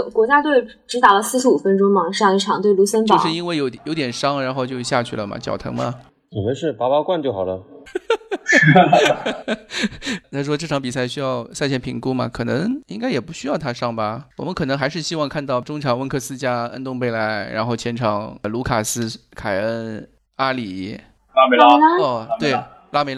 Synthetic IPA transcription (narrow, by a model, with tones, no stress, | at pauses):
kwɔ˧˥t͡ɕja˥t̪we˥˩ɪ | ʈ͡ʂɻ̩˧˥t̪a˨˩lə˦s̩˥˩ʂɻ̩˥u˨˩fə˥nʈ͡ʂʊ˥ŋmɑ˧˥ŋʂɑ˥˧ŋi˥˩ʈ͡ʂʰɑ˨˩ŋt̪we˥˩ɪlu˧˥ɕə˥npɑ˥˧˦ʂɻ̩˥˧i˥nwe˥˩ɪjo˧˥ʊ˩jo˧˥ʊt̪jɛ˨˩nʂɑ˥ŋɻa˧˥nxo˥˧ʊt͡ɕjo˥˧ɕja˥˧t͡ɕʰy˥˩lə˩mɐ̰˩t͡ɕjɑ̰˨˩t̪ʰɤ̰˧˥mɐ˧ | t͡ɕə˨˩ə˧˥ʂɻ̩˥˩pa˥pɑ˥kwa˥˧nt͡ɕjxɑ˨˩lə˦ | t̪ʰa˥˩ʂ̬wɔ˥ʈ͡ʂɤ˥˩ʈ͡ʂʰɑ˧˥ŋpi˨˩sa˥˩ɪɕy˥jɑ˥˧ʊsa˥˧ɪt͡ɕʰɛ˥˩npʰi˧˥ŋku˥mɐ̰˨kʰɤ˨˩nɤ˧˥ŋi˥ŋka˥ɪjɛ˨˩pu˧˥ɕy˥jɑ˥˩ʊt̪ʰa˥ʂɑ˥˧˩ŋbɐ˨˩wɔ̰˨˩mə˦nkʰɤ˨˩nɤ˧˥ŋxa˧˥ɪʂ̬ɻ̩˥˩ɕi˥wɑ˥˧ŋkʰa˥˧nt̪ɑ˥˩ʊʈ͡ʂʊ˥ŋʈ͡ʂʰɑ˨˩ŋwə˥nkʰɤ˥˧sɹ̩˥t͡ɕja˥ə̰˥nt̪ʊ˥˧ŋpe˥˩ɪla˧˥ɪɻa̰˧˥nxo˥˩ʊt͡ɕʰjɛ˧˥nʈ͡ʂʰɑ˨˩ŋlu˧˥kʰa˨˩sɹ̩˥kʰa˨˩ɪə˥n | a˥li˨˩ | a˥ɔ˥˧˩t̪we˥˩ɪ | la˥me˧˥ɪ˥